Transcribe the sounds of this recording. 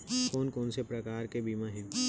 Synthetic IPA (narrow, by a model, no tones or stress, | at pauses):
koːnkoːnsepɾɐkaːɾkebiːmãɦɪɡ